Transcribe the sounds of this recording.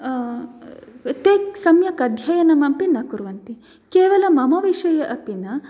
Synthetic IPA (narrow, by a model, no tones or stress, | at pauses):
t̪eːksɐmjɐkɐd̪ʱjɐjɐnɐmɐmpinɐkuɾʋɐnt̪i | keːʋɐlɐmɐmɐʋiʂɐjɐʔɐpinɐ